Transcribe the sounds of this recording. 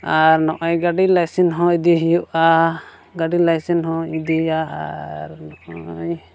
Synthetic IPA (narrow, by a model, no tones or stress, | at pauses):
aɾnɔʔɔjɡaɖilajsinɦɔ̃id̪iɦijuʔa | ɡaɖilajsinɦɔ̃id̪ijaa̰ɾnɔʔɔj